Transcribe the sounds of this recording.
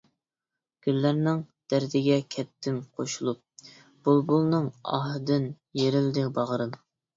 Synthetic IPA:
ɡ̥ʲylːæɾnɪŋd̪̥æɾd̪ɪɡʲɛkʲʰɛt̪ʰːɪnqʰoʃulˠup̚ | b̥olˠbulˠnɨŋɑ̰ɦɨd̪ɪn | jeɾɪld̪ɪbɑʁəɾɨd̪u

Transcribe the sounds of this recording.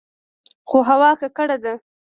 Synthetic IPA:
xoɦawɑkakəɽed̪a

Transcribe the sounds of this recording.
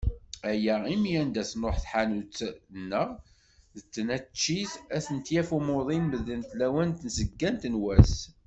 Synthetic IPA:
æjæimijænd̪æsnoħθħanut͡sːnːəʁ | ðət͡sːənæt͡ʃːiθæθənt̪jæfumʊðˤinməðːənθlæwænt̪nsəɡːænt̪nwæs

